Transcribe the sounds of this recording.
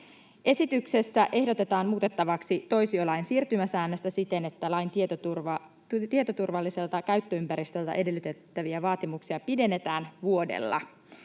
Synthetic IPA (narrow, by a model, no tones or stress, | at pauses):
ʔe̞sit̪ykse̞sːæʔe̞hdo̞t̪e̞t̪ɑːnmuːt̪e̞t̪ːɑʋɑksit̪o̞jsiolɑinsiːrt̪ymæsæːnːøst̪æsit̪e̞ne̞t̪ːælɑjnt̪t̪urɑ | t̪iet̪o̞t̪urʋɑlːise̞lt̪ɑkæɥt̪ːøympæɾist̪ø̞lt̪æ̰ʔe̞de̞lːyt̪e̞t̪ːæʋiæʋɑːt̪imuksiɑpide̞nːe̞t̪æːnʋuo̞dḛlːɑ̰